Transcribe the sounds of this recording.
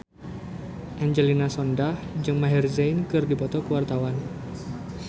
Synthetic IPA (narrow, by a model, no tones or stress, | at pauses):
ʔaɲd͡ʒəlinasɔndahd͡ʒɨŋmaɦɛrzajnkɨrdipɔt̪ɔkuwart̪awan